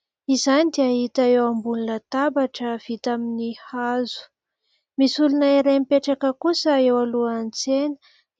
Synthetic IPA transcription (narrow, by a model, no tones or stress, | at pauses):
izanid̪eaɦit̪aewambulunət̪abaʈ͡ʂəv̥it̪aminihazu̥ | misulunaiɾemipeʈ͡ʂakəkusəewaluant͡senə̥